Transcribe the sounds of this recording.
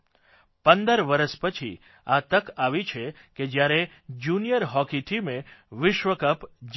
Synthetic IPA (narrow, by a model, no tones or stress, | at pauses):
pənd̪əɾʋəɾəʃpət͡ʃʰḭ | at̪əkaʋit͡ʃʰe | ked͡ʒjaɾe | d͡ʒunijəɾɦɔkiʈʰimeʋɪʃʋəkəpd͡ʒ